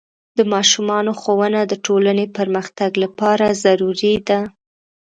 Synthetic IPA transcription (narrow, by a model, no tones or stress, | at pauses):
d̪̥əmɑʃumɑnoxowənad̪əʈʰolanepəɾməxt̪aɡlapɑɾazaɾuɾid̪a